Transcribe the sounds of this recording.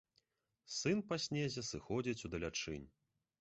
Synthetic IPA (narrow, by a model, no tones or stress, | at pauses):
sɨnpasʲnʲezʲɐsɨxɔd͡zʲit͡sʲud̪ɐlʲat͡ʂɨ̰nʲ